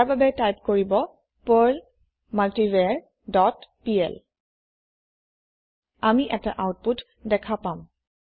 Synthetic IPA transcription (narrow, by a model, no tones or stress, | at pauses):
ɹbabɛtajp̚koɹibɔ | pəɹl | maltiveɹ | dɔtpiɛ̰l | amiʔɛta̰ʔawt̚put | dɛkʰapam